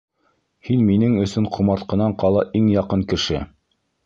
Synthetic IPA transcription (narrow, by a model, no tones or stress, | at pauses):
hinminɘŋɵ̆sɵɴqʰŭmɑɾt̪qɤ̆nɑɴqɑlˠɑʔiŋjɑqɤŋkɘ̆ʃɘ̰